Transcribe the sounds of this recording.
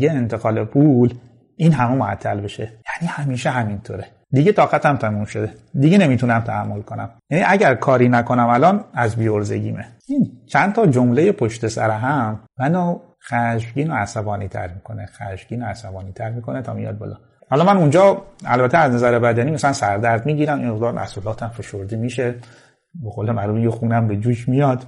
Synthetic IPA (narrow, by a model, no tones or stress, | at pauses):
ɡeent̪ʰe̞ɣɒːlepʰul | iːnɦæmemoæt̪ʰːælbeʃejæːniːhæmiːʃeɦæmint̪ʰoːɾe | d̪iɟet̪ʰɒːɣæt̪ʰæmt̪ʰæmumʃod̪ed̪iɟene̞mit̪ʰunæmt̪ʰæhæmːo̞lkʰo̞næ̰mjæniʔæɟæɾkʰɒːɾiːnækʰo̞næmælɒːnæzbiːoɾzḛɟḭːmḛ | iːnt͡ʃʰænt̪ʰɒːd͡ʒomleje̞pʰoʃt̪e̞sæ̰ɾeɦæmmæno | xæʃɡiːnoæsæbɒːniːt̪ʰæ̰ɾmiːkʰo̞nexæʃɡ̥iːnoæsæbɒːniːt̪ʰæɾmiːkʰo̞net̪ʰɒ̰ːmijɒ̰d̪̚bɒ̰lɒ̰ː | hɒːlɒmænund͡ʒɒːæ̰lbæt̪ʰeæznæzæɾebæd̪æniːmæsælænsæɾd̪æɾd̪miːɡiːɾæmḭmmeɣd̪ɒːɾæ̰sulɒːt̪ʰæmfe̞ʃoɾd̪iːmiːʃe | beɣoːlemæɾuːfiŋkexuːnæmbed͡ʒuːʃmijɒd̪̥